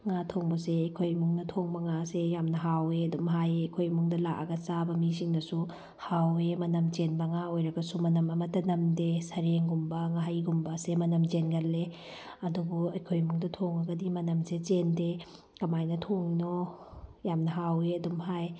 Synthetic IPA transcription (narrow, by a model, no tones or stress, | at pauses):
ŋatʰoŋbɐseɐjkʰojmuŋnɐtʰoŋbɐŋasejamnɐɦaweɐdumɦajɐjkʰojmuŋdɐlakɐɡɐsabɐmis̬iŋnɐsu | hawemɐnɐmt͡ʃenbɐŋaojɾɐɡɐsumɐnɐmɐmɐtːɐnɐmdesɐɾeŋɡumbɐŋaɦajɡumbɐsemɐnɐmt͡ʃenɡɐlːe | ɐduboɐjkʰojmuŋdɐtʰoŋɐɡɐdimɐnɐmset͡ʃende | kɐmajnɐtʰoŋno | jamnɐɦaweɐdumɦaj